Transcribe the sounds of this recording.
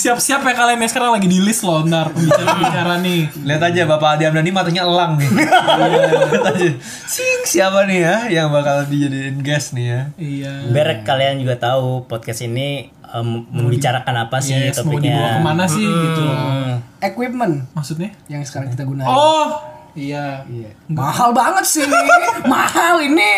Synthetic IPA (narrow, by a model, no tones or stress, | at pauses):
siap̚siapajkaliamjaŋsə̥kaɾaŋlaɡidilɪslɔnarməmbit͡ʃabt͡ʃaɾaniliɦat̪ad͡ʒabapadiamdanimat̪ak̚ɲaəlaŋni | liat̪ad͡ʒa | sɪŋsiapanijajaŋbakalːəbid͡ʒadiːnɡɛsnijaijabəɾɛkːaliand͡ʒuɡat̪aupɔt̪̚kɛsini | əməmbit͡ʃaɾakanapasɪsamdɲiauakəmanasɪhɡit̪u | ekwip̚mənmaksut̪̚ɲajaŋsə̥kaɾaŋkit̪aɡunaɔhijaiamahalbaŋət̪̚sɪmahalini